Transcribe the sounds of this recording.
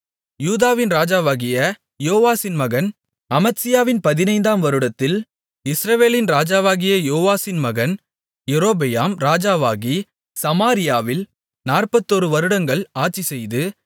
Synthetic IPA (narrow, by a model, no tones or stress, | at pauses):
juːðaːʋɪnɾaːd͡ʒaːʋaːɣɪjɐ | joːʋaːsɪnmɐɣɐn | ɐmɐtsɪjaːʋɪnpɐðɪnɐɪnd̪aːmʋɐɾɯɽɐt̪ːɪl | ɪsɾɐʋeːlɪnɾaːd͡ʒaːʋaːɣɪjɐjoːʋaːsɪnmɐɣɐn | jɛɾoːbɛjaːmɾaːd͡ʒaːʋaːɣi | sɐmaːɾɪjaːʋɪl | naːrpɐt̪ːɔɾɯʋɐɾɯɽɐŋɡɐɭaːʈ̚t͡ʃːisɛjðɯ